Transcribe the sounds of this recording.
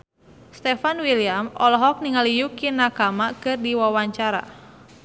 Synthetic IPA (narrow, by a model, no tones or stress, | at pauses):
st̪ɛfanwiliamɔlɔɦɔk̚niŋalijukinakamakɨrdiwawaɲt͡ʃaɾa̰